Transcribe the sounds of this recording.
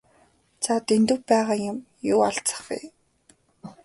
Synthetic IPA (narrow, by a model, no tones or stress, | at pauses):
t͡sʰat̪ent̪ɘ̆wpæːʁaːjʊm | jʊːaɬt͡sə̥̆χɡḭː